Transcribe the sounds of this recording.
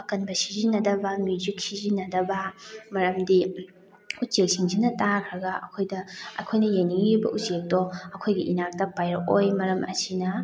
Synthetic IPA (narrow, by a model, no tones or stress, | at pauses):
ɐkɐnbɐsizinːɐdɐbɐmjud͡ʒik̚sizinɐdɐbɐmɐɾɐmdi | ut͡ʃek̚siŋsinɐtakʰɾɐɡɐʔɐ̰kʰojdɐɐ̰kʰojnɐjeniŋibɐ̰ʔusek̚dɔɐkʰojɡiʔinak̚tɐpajɾɐkojmɐɾɐmɐ̰sinɐ